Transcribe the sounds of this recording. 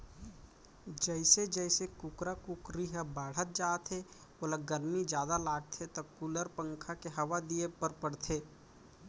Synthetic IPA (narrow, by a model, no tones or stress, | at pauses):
d͡ʒəɪsed͡ʒəɪsekʊkɾakʊkɾiɦəbaːɽ̤ət̪̚d͡ʒaːt̪ʰe | oːləɡəɾmid͡ʒjaːd̪alaːɡ̚t̪ʰet̪ɐkuləɾpə̃ŋkʰakeɦɐʋad̪iepəɾpəɽt̪ʰeː